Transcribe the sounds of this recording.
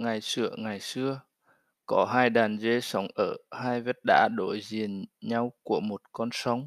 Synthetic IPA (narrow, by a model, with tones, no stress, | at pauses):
ŋa˨˩jsɨ˧˩əŋa˨˩jsɨ˧ə | kɔ˨˦ɦaː˧jɗaː˨˩nze˧sa˨˦wŋ͡mʔəː˧˩haː˧jve˦˥t̚ɗa̰ː˧˥ɗo̰˧˩jzi˨˩ənɲa˧wku˧˩əmo˨˩t̚kɔ˧nsɔ˧˦wŋ͡m